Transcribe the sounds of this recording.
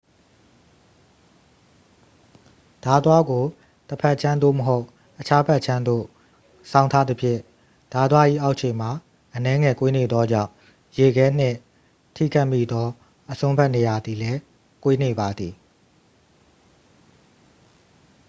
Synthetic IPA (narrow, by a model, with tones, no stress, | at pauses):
d̥a˨t̪wa˦ɡo˨ | təpʰɛ˦ʔt͡ɕʰã˦nd̪o̰˦˨məɦo˦ʊʔ | ʔət͡ɕʰa˦pɛ˦ʔt͡ɕʰã˦nd̪o̰˦˨ | sʰã˨ʊ̃ntʰa˦d̪ə˦pʰjɪ̰̃˦˨ | d̥a˨t̪wa˦ʔḭ˦˨ʔa˦ʊʔt͡ɕʰẽ˨m̥a˨ | ʔənɛ˦ŋɛ˨kwe˦ne˨d̪ðɔ˦d͡ʑã̰˦˨ʊ̃ | je˨ɡɛ˦n̥ɪ̰̃˦˨ | tʰḭ˦˨ɡa˦˨ʔmḭ˦˨d̪ɔ˦ | ʔəsʰõ˦mpɛ˦ʔne˨ja˨d̪i˨lɛ˦ | kwe˦ne˨ba˨d̪i˨